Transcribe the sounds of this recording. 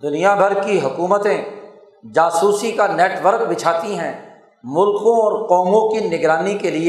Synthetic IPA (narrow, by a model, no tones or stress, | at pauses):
d̪ʊnijabʱɐɾkiɦʊkuːmət̪ẽ | d͡ʒaːsuːsikaneːʈʋəɾk̚bɪt͡ʃʰaːt̪iɦɛ̃ | mʊlkõɔːɾqɔːmõkinɪɡɾaːnikelie